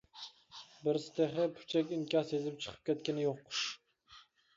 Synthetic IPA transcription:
bɪɾst̪eχɪpʰʊ̥t͡ʃʰɛkʲɪŋkʲɑsezɪp̚t͡ʃʰə̥qʰə̥p̚kʲʰɛt̪̚kʲɪnɪjoq

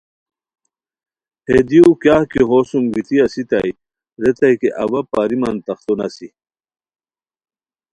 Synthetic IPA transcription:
hed̪iukjaːhkiɦosumɡit̪ʰiɐsit̪aj | ɾet̪ajkeʔɐ̰wɐpaːɾimɐnt̪ɐxt̪onɐsi

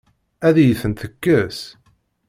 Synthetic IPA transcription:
æðjəθənt̪əkːəs

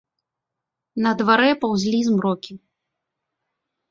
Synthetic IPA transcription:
nɐd̪vaɾɛpawzʲlʲizmɾɔkʲi

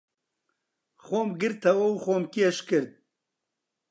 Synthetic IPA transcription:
xoːmɡɨɾt̪ʰɐwɐwxoːmkieʃkɨɾt̪̚

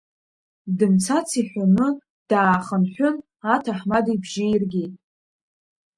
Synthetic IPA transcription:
dɨmt͡sʰat͡sʰiħʷanɨ | d̥aːχənħʷᶣʊn | atʰaħmadibʒɪjirɡʲitʼ

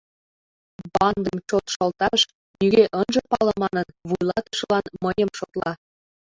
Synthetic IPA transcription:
bɑnd̪ə̆mt͡ɕot̪ʃɤ̆lt̪ɑʃ | nyɣʲeʔənʒɤ̆pɑlɤ̆mɑnə̆nβujlˠɑt̪ə̥ʃəlɑnməjə̆mʃot̪lˠɑ

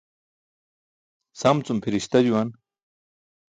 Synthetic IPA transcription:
sɐmt͡sumpʰiɾiɕt̪ɐd͡ʑuwɐn

